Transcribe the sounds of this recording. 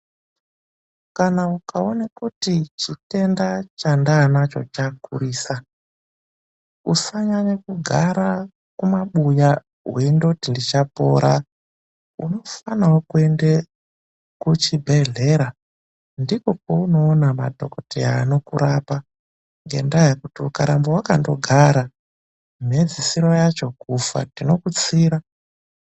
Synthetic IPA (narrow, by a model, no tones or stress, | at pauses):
kanaukʰaonakutit͡ʃite̞ndat͡ʃandaːnat͡ʃo̞̰t͡ʃakṵriːsa | usaɲaɲakuɡʱaɾa | kumaɓuja | ɦwendotindit͡ʃapo̞̰ɾa | uno̞fanawokue̞nde | kut͡ʃibʱe̞ɮe̞ɾa | ndiko̞kouno̞ːnama̰dʱo̞̰ko̞teaːno̞kuɾapa | ŋɡe̞̰ndajekutiukaɾambowakando̞ɡʱaɾa | m̤ed͡zisiɾo̞jat͡ʃo̞kufa̰tino̞kut͡siɾa